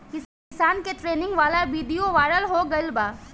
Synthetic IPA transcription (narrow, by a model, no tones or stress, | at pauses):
kɪs | kɪsaːnkeʈɾeːnɪ̃ŋɡʋaːlabiːd̪ijoʋaːɪɾəlɦoɡɐɪlbaː